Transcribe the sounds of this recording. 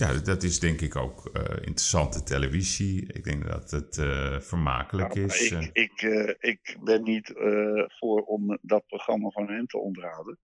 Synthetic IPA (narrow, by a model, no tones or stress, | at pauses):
jadɔtɪsdɛŋkɪko̰wkɪ̰ntrəsɑntətʰeləviziɪ̰ɡ̚dɛ̰ŋɡ̚dɔ̰tətfərma̰ːkələkɪsɪkɪkbɛnːitfʊːɹɔmdɑt̚proχrɑmavɔnɦɛmtʰə̰ɔ̰ndərɦɑwdən